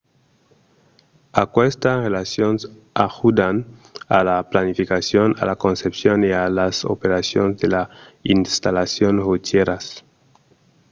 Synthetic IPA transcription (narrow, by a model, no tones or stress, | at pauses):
akwest̪arelasjons | axud̪analaplanifikasjona̰lako̞nsepsjonialaso̰peɾasjonzðelainst̪alasjonʁut̪jeɾas